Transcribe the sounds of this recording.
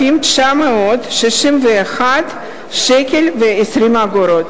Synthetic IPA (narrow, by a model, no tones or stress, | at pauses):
imt͡ʃameot̪ʃeʃimveaxat̪ | ʃekelveesɾimaɡoɾot̪